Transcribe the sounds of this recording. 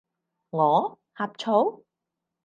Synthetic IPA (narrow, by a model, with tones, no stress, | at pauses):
ŋɔː˨˧ | haː˨p̚t͡ʃʰo˨˥w